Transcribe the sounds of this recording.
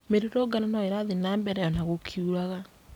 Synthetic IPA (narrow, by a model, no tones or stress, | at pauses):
meɾeɾoɡananɔeɾaðenaːmbɛɾɛjɔnaɣokʰiuɾaɣa